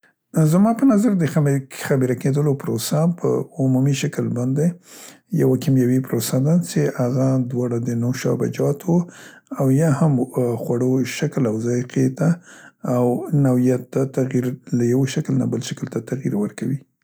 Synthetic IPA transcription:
zmɑpənazaɾd̪əxamxabiɾaked̪əlopɾosapʰə̰ʊmumiʃakəlbɑnd̪e | ja̰wakimjawepɾosad̪at͡ʃehaɣad̪wɑɽad̪ənoʃɑ̰ba̰d͡ʒɑt̪woawjɑhamxwaɽoʃaklawzɑqʰet̪aː | wnawijat̪ːat̪aɣiɾlajawoʃakəlna̰bəlʃakəlt̪at̪aɣiɾwəɾkawi

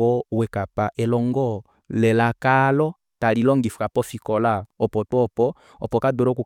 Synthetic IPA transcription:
ɔwɛkapaʔɛlɔŋɡɔ | lɛlakalɔ | talilɔŋɡifu̥kapɔfikɔlaɔpɔtɔpɔ | ɔpɔkadɔɾɔku

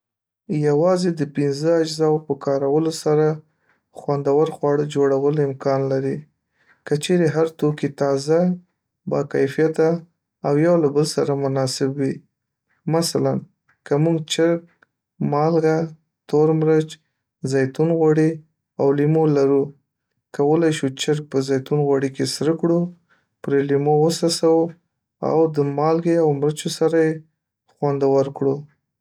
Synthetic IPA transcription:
jawɑzed̪əpɪnzəad͡ʒzɑwpəkɑɾawəlosaɾa | xwand̪awəɾxwɑɽəd͡ʒoɽawəlɪmkɑnlaɾi | kət͡ʃeɾeɦaɾt̪okit̪ɑza | bɑ̰kajfijat̪aː | wjawlabəlsaɾamʊnɑsɪbwi | masalan | kəmuɡt͡ʃəɾk̚ | mɑlɡa | t̪oɾmɾət͡ʃ | zɑjt̪unɣwaɽi | awlimolaɾu | kawəlajʃut͡ʃɪɾk̚pəzɑjt̪unɣwaɽikesɾəkɽu | pɾelimowəsɑsawə | a̰wd̪əmɑlɡeawmɾət͡ʃosaɾaje | xwand̪awəɾkɽu

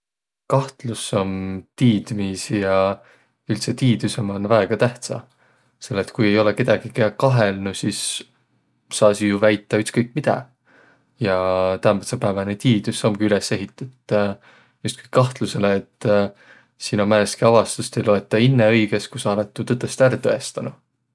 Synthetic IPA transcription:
kɑht̪luso̞mt̪iːd̪̥misjɑ | ylt̪se̞t̪iːd̪̥usemo̞nvæeɡ̥ɑt̪æht̪sɑ̰ | se̞lːet̪ːkuje̞jo̞leke̞d̪̥ɑɡ̥ikekɑɦelnusis | sɑːsijuvæjt̪ːˑɑyt̪skɤjk̚ːˑmid̪̥ɑ̰ | jɑt̪æmæt̪sepæːvɑnet̪iːd̪ysomɡ̥iylese̞ɦit̪ːˑut̪ː | just̪ko̥jkːɑht̪luse̞leːt̪ː | sinomænest̪kiɑvɑst̪ust̪ejlo̞e̞t̪ːˑɑinːeɤjɡ̥e̞skusɑɑlet̪ːut̪ɤd̪̥ˑest̪æɾt̪ɤe̞st̪ɑnu

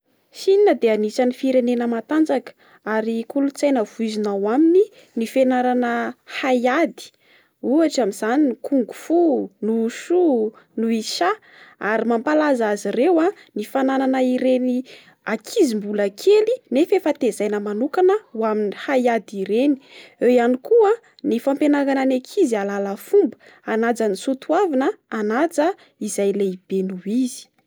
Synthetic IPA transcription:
ʃininəd̪eanisanifiɾenenəmat̪and͡zakə̥ | aɾikulut͡sajnəv̥uizinawamini | nifenaɾanəhajad̪i̥ | uaʈ͡ʂamiz̥aninkuŋɡu̥funuʃu | nuiʃa | aɾimampalazazirewanifanananaiɾeni | akʰizimbuləkʰelinefefat̪ezajnəmanukanəwaminihajad̪iɾeni̥ewjanikuə | nifampenaɡananekʰizialaləfumbə̥ | anad͡zənisut̪uavanəanad͡zə | izajleib̥enuiz̥i̥

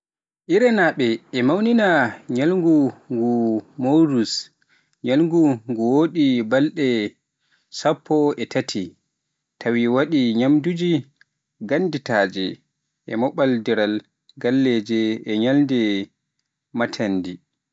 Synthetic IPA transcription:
ʔiɾɛnaɓɛːmawninaɲalŋɡuŋɡumowɾus | ɲalŋɡuŋɡuwoɗibalɗɛ | sapʰːɔɛtʰatʰi | tʰawiwaɗiɲamdud͡ʒi | ɡanditaːd͡ʒɛ | ʔɛmɔɓaldɛɾal | ɡalːɛd͡ʒɛɛɲalndɛ | matʰandi

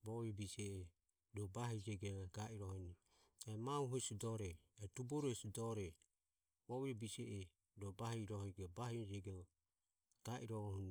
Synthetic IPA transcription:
bɔβibisɛɛ | dɔbaɦid͡ʒɛɡɛɡaʔiɾɔhɔni | ɛmauɦusidɔɾɛːtubɔɾɛsidɔɾɛ | bɔβiɔbisɛʔɛ | dɔbahiɾɔhɔɡɛbahid͡ʒɛɡɛɔ | taʔḭɾɔhun

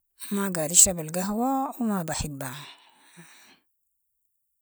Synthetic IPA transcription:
maɡaɾiʃabɪlɡaɦwawmabaħɪbːa

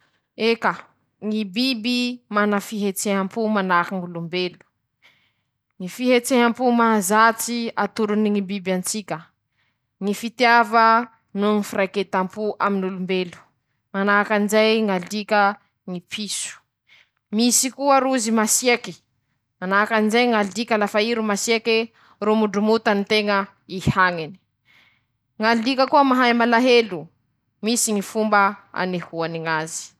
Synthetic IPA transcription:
eka | ŋibibimanafiɦet͡seɦampumanakaŋulumbelu̥ | ŋifiɦet͡seɦampumaɦazat͡siat̪uɾuniŋibibant͡sikʲə | ŋifit̪javə | nuŋifirajket̪ampuʔaminulumbelu̥ | manakanzajŋalikʲə | ŋipʰisu̥ | misikuəɾuzimasieki̥ | manakanizajŋalikalafaiɾumasieki | rumuɖ͡ʐumut̪anit̪eŋə | ihaŋeni̥ | ŋalikəkuəmaɦajmalaɦelu | misiŋifumbəa̰nihuaniŋazi̥

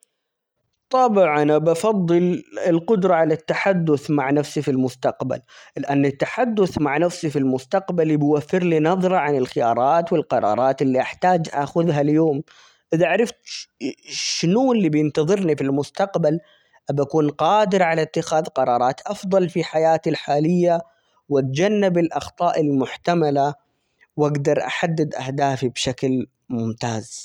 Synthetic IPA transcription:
t̪ˤɑbʕanabɑfɑðˤːɨlɪlqʊd̪ɾˤɑʕalat̪ːaħad̪ːʊθmaʕnafsifilmʊst̪aqba̰llɪʔanːɪt̪ːaħad̪ːʊθmaʕnafsifilmʊst̪aqbalbwafːɪɾlinɑðˤɾˤɑʕanɪlxɪjɑ̰ːɾˤɑːt̪wɪlqɑɾˤɑ̰ːɾˤɑːt̪ɪlːiʔaħt̪aːd͡ʒʔa̰xʊðɦaljoːm | ʔɪðaʕaɾˤɪft̪ | ʃnuɪlːiːbjɪnt̪ɑðˤɨɾnifilmʊst̪aqbal | ʔabakuːnqɑːd̪ɪɾʕalat̪ːɪxaːðqɑɾˤɑːɾˤɑːt̪ʔɑfðˤɑlfiħajaːt̪ilħaːlɪjːa | wat̪̚d͡ʒanːɪbɪlʔɑxt̪ˤɑːʔɪlmʊħt̪amala | waɡd̪ɑɾˤʔa̰ħad̪ːɪd̪ʔa̰hd̪aːfibʃakl | mʊmt̪aːz

